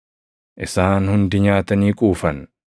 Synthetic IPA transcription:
ʔɪsaːnhʊnd̪ɪɲaːt̪ɐniːkʼuːfɐn

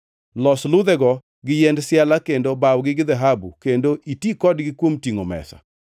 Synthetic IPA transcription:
lɔslʊd̪ɛɡɔ | ɡɪjɛndsjalakendobawɡɪɡɪd̪ɛɦabukendoʔitikɔdɡɪkwomtiŋomɛ̰sa̰

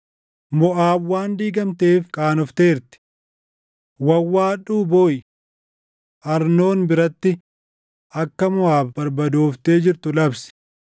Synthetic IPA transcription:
mɔʔaːbwaːnd̪iːɡɐmt̪eːfkʼaːnɔft̪eːɾt̪ɪ̥ | wɐwːaːᶑuːboːj | ʔɐɾno̞ːnbɪɾɐt̪ːɪ | ʔɐkːɐmʊaːbbɐɾbɐd̪oːft̪e̞ːd͡ʒɪɾt̪ʊlɐbsɪ̥

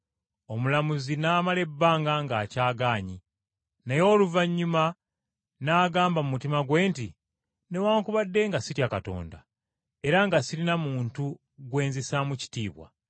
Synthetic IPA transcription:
o̞mulamuzinaːmale̞bːaːŋɡaŋɡacaːɡaːɲi | nejo̞ːluvaɲːuma | naːɡaːmbamumutimaɡwe̞ːntḭ | ne̞waːŋkuβadːe̞ŋɡasitjakato̞̰ːnda̰ | e̞ɾaŋɡasilinamuːntu | ɡwe̞ːnzesamuci̥tiːβwa̰

